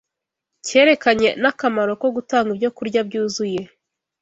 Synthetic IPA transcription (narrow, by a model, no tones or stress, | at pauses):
ce̞ːɾe̞kaɲe̞nakamaɾo̞ko̞ɡutaːŋɡibjo̞kuɾɟabɟuːzuje̞